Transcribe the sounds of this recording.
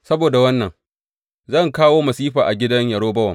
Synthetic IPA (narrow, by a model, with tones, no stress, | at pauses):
sɐ˦boː˨da˨wɐ˦nːɐ˨ŋ | zɐ˦˨ŋkaː˦woː˦mɐ˨siː˦ɸaː˨ʔa˨ɡʲɪ˦dɐ˦ɲjɐ˨ɽoː˦bɐ˦wɐ̰˨m